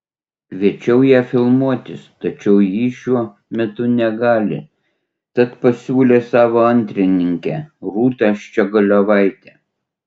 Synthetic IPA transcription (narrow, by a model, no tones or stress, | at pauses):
ʋʲiɛt͡ʃʲɛʊjæːfʲɪlˠmuɔt̪ʲɪst̪ɐt͡ʃʲɛʊjiːʃʲuɔ | mʲɛt̪ʊnʲɛɡɑːlʲɪ̰ | t̪ɐt̪pɐsʲuːlʲeːsɑːʋoːɐnʲt̪ʲɾʲɪnʲɪŋʲkʲɛɾuːt̪ɑʃt͡ʃʲɛɡɐlʲoːʋɐɪt̪ʲɛː